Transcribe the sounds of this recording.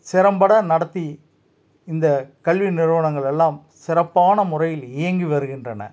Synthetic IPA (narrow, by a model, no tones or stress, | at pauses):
sɪɾɐmbɐɽɐnɐɽɐt̪ːi | ɪnd̪ɐkɐɭʋinɪɾɯʋɐɳɐŋɡɐɭɛlːaːm | sɪɾɐpːaːnɐmʊrɐjɪlɪjɐŋɡiʋɐɾɯɣɪndrɐnɐ̰